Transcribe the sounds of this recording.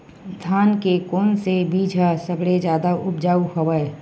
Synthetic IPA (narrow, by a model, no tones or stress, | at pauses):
d̪ʱaːnkekoːnsebiːd͡ʒʱasəbɽed͡ʒjaːd̪aʔʊpd͡ʒaːukɐʋae